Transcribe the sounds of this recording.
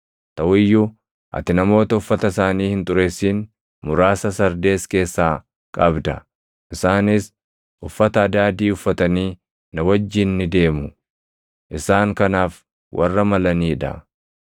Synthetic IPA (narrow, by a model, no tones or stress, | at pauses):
t̪ɐwʊjːʊ | ʔɐ̰t̪ɪnɐmo̞ːt̪ɐʊfːɐt̪ɐsaːniːhɪnt̪ʼʊɾe̞ːsːiːn | mʊɾaːsɐsɐɾd̪e̞ːske̞ːsːaː | kʼɐbd̪ɐ | ʔɪsaːnɪs | ʔʊfːɐt̪ɐːd̪aːd̪iːʊfːɐt̪ɐniː | nɐwɐd͡ʒːɪnːɪd̪e̞ːmʊ | ʔɪsaːŋkɐnaːf | wɐ̰rːɐmɐlɐniːᶑɐ̰